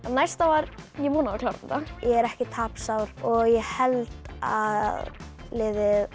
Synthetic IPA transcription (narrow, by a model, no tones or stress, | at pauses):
anajst̪avaɾjɛpuːnaðaklaɾɛt̪ːajʔɛɣɛɾɛhcɪt̪ʰaːpsawɾ̥ɔɣjɛhɛlt̪a̰ððlɪːðɪð